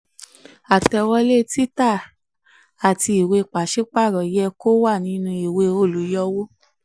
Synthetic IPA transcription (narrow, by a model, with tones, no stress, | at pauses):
a˨tɛ˧wɔ˦le˦ti˦ta˦˨ | a˨ti˧i˨we˧˨k͡pa˨ʃe˦k͡pa˦˨ɾɔ˨jɛ˧ko˦wa˦˨nĩ˧˦nũ˧i˨we˧o˦˨lu˨˦jɔ˧wo˦